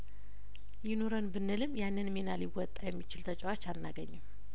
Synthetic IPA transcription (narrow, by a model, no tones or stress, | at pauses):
jɪnoɾənbɨnːɨlɨmjanːɨnmenaliwɔt̪ʼːajɛmːit͡ʃɪlt̪ʰət͡ʃʼɛwat͡ʃːanːaɡəɲːɨm